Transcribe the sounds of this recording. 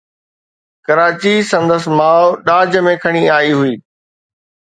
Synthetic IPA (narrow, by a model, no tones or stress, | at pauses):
kɐɾaːt͡ɕisɐ̃nd̪əsmaːʊɗaːd͡ʑəmẽkʰɐɽ̃iaːiɦʊiː